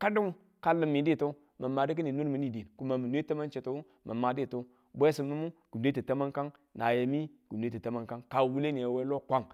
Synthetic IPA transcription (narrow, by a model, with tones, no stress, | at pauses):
ka˦du˦ŋ | ka˦lːə˨mːi˨di˦˨to˦ | mə˨mːa˨di˦k̬i˦ni˨nu˦ɾmi˨ni˦˨di˨n˨ku˦ma˨mi˨nʷ˦e˦ta˦ma˦nt͡ʃe˨to˦w | mʔa̰˨mːa˨di˦˨to˦ | bʷe˦si˨mu˦mu˦ɡ̥u˨n˨de˦ti˨ta˦ma˦nka˦ŋ | na˨ja˨mi˦ɡ̥u˨n˨e˦ti˨ta˦ma˦nka˦ŋka˨wu˦le˦ni˨ja˨we˦lo˦kʷa˦ŋ